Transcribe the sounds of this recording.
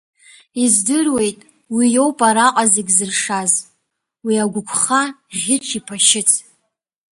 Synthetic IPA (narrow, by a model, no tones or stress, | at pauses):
izdɨrwe̞jtʼ | wijo̞wpʼaɾaqʼaziɡʲzɨrʂaz | wiaɡʷʊkʷʰχaʁʲɪt͡ʃʷʰipʰaʃɪt͡sʰ